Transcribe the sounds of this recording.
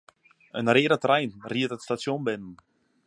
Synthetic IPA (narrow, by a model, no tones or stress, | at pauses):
ənɾeːɾat̪rajnriət̪at̪st̪asjɔnbɛnn